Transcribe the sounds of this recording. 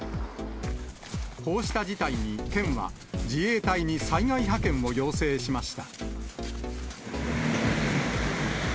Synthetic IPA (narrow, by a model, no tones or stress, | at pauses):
ho̞ːɕi̥t̪ad͡ʑit̪aiɲ̟it̪ẽ̞ɰ̃βa̰ | d͡ʑie̞ːt̪aiɲ̟isaiɡaiɦakẽ̞ɰ̃o̞jo̞ːse̞ːɕimaɕi̥t̪a